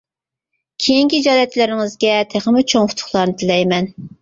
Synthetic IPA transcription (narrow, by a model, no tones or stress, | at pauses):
kʲʰejiŋkʲid͡ʒɑːlɛt̪lɪɾɪŋɪzɡʲɛt̪ʰæχmɪt͡ʃʰoŋfʊ̥t̪ʰʊ̥χlˠɑɾnɨt̪ʰɪlɛjmɛn